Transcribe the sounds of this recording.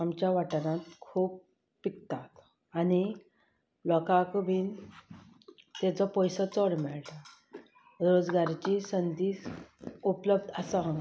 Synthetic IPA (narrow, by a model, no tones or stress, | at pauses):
amt͡ɕjaʋaʈnat̪kʰuːpː | ikt̪at̪ | ani | lɔkakʋiːn | t̪ɛt͡sɔpɔjsət͡sɔɽmɛɭʈ | ɾod͡zɡaɾt͡ɕisənd̪iːsupləbd̪ʱəsəɦə̃